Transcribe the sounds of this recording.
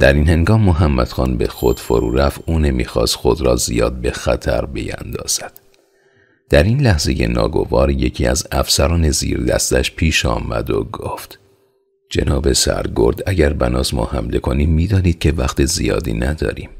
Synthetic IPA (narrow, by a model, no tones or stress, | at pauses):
d̪̥æɾiːnhe̞ŋɡɒːmːoɦæmːæd̪̥xɒːnbe̞xo̞d̪̥fo̞̰ɾṵːɾæfʔuːne̞mḭːxɒːst̪xo̞d̪ɾɒːzijɒːd̪̚be̞xæt̪ʰæɾbe̞jænd̪ɒːz̥æd̪̥ | d̪̥æɾiːnlæhze̞je̞̰nɒ̰ːɡo̞̰vɒːɾje̞cʰiːæzæfsæɾɒːne̞ziːɾd̪æst̪æʃpʰiːʃɒːmæd̪o̞ɡoft̪ | d͡ʒe̞̰nɒːbe̞sæ̰ɾɡo̞ɾd̪æɟæɾbænɒːzmɒ̰ːhæmle̞kʰo̞niːmːiːd̪ɒːniːd̪̥̚cʰe̞væxt̪ʰezijɒ̰ːd̪iːnæd̪ɒːɾiːm